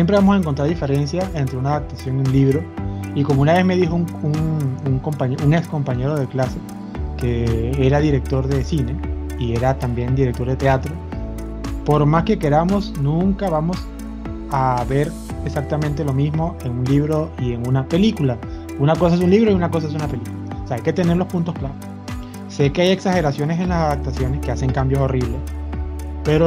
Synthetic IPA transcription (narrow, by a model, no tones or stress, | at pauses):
sjempɾe̞βamosaeŋkont̪ɾaɾðife̞ɾe̞nsjae̞nt̪ɾe̞unaðap̚t̪asjo̞ŋiunliβɾo̞iko̞mounaβe̞zme̞ð̞ixouŋuŋuŋko̞mpaɲeʔuŋeksko̞mpaɲe̞ɾo̞ð̞e̞klase̞ | ke̞eɾaðiɾe̞k̚t̪o̞ɾðe̞sine̞ | ie̞ɾat̪ambje̞nd̪iɾek̚t̪o̞ɾðe̞t̪e̞at̪ɾo | po̞ɾmaske̞ke̞ɾamo̞snũŋkaβamo̞s | aβe̞ɾ | esak̚t̪amẽnt̪e̞lo̞mizmo̞eŋunliβɾo̞ie̞ŋunape̞likula | unakos̬ae̞s̬unliβ̞ɾo̞iunako̞s̬ae̞s̬unape̞likulaoseaajke̞t̪e̞ne̞ɾlo̞spunt̪o̞sklaɾo | se̞ke̞aje̞ksaxe̞ɾasjo̞ne̞se̞nlasaðap̚t̪asjo̞ne̞ske̞ase̞ŋkambjoso̞riβle̞s | pe̞ɾo